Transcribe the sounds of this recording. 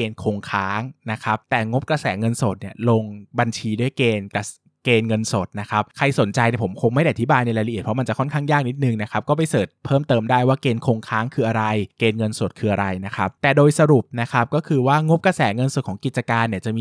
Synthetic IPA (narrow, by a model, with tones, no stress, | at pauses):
eː˧nkʰoː˧ŋkʰaː˦˥ŋna˦˥kʰa˦˥p̚t̪ɛː˨˩ŋo˦˥p̚kɾa˧sɛː˩˦ŋɤ˧nso˨˩t̪̚ni˥˩ɐloː˧ŋba˧nt͡ɕʰiː˧du˥˩əjkeː˧nka˧ | keː˧nŋɤ˧nso˨˩t̪̚na˦˥kʰa˦˥p̚kʰa˧jso˩˦nt͡ɕa˧jni˧˩pʰo˩˦mkʰo˧ŋma˥˩jda˥˩ʔa˨˩t̪i˦˥baː˧jna˧jɾaː˧jla˧ʔi˨˩t̪pʰɔ˦˥m˧nt͡ɕa˨˩kʰɔ˥˩nkʰaː˥˩ŋjaː˥˩k̚ni˦˥t̪̚nɯ˨˩ŋna˦˥kʰa˦˥p̚kɔː˥˩pa˧jsɤː˨˩t̪̚pʰɤː˥˩mt̪ɤː˧mdaː˥˩jwaː˥˩keː˧nkʰoː˧ŋkʰaː˦˥ŋkʰɯː˧ʔa˧ɾa˧jkeː˧nŋɤ˧nso˨˩t̪̚kʰɯː˧ʔa˧ɾa˧jna˦˥kʰa˦˥p̚t̪ɛː˨˩doː˧jsa˧ɾu˨˩p̚na˦˥kʰa˦˥p̚kɔː˥˩kʰɯː˧waː˥˩ŋo˦˥p̚kɾa˧sɛː˩˦ŋɤ˧nso˨˩t̪̚kʰːŋki˨˩t̪̚t͡ɕa˧kaː˧nːi˥˩ɐt͡ɕa˨˩ʔmiː˧